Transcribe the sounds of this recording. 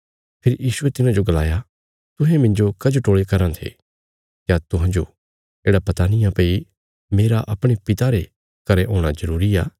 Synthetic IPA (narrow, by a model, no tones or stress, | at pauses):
pʰɪɾijiːsuet̪ɪnãd͡ʒoɡɐla̰ːja | t̪ʊɦɛ̃mɪ̃nd͡ʒokɐd͡ʒoʈoːɭekɐɾãt̪ʰḛ | kjat̪ʊɦãd͡ʒo̰ | eːɽapɐt̪aːnɪjãpeːi | meːɾaʔɐpɽ̃epɪt̪aɾe | kɐɾeɦoːɽ̃azɐɾuːɾiaː